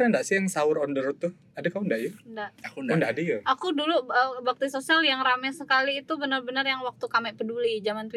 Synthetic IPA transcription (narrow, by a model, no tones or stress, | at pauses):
ɾandaʔsɪjaŋsaʊɾɔndəɾʊt̪ːʊh | adakaundaʔjʊndaʔndaadajaʔakuduluəbak̚t̪isosialjaŋramɛsəkaliːt̪ubənərbənərjaŋwak̚t̪ukamɛʔpədulid͡ʒamant̪w